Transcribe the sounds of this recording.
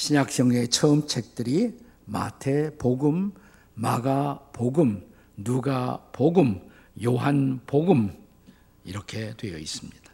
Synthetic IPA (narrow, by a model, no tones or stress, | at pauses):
ɕʰiɲak̚s͈ʌŋe̞t͡ɕʰʌɯmt͡ɕʰe̞k̚t͈ɯɾi | ma̰tʰe̞poɡɯmː | aɡapoɡɯm | nuɡapoɡɯm | joɦanpoɡɯm | iɾʌkʰe̞dwe̞jʌ̰is͈ɯmɲid̥ḁ